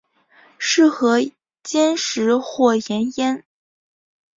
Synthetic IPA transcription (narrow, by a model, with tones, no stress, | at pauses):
ʂɻ̩˥˩xɤ˧˥ | t͡ɕjɛ˥nʂɻ̩˧˥xwɔ˥˩jɛ˧˥njɛ˥n